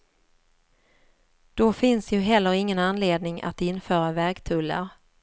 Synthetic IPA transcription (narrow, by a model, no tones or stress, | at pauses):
d̪̥ɔfɪnsjɵɦɛlːəɾɪŋːənanleːd̪̚nɪŋa̰t̪ɪnːfœːɾavɛɾɡt̪ʰɵlːa̰ɾ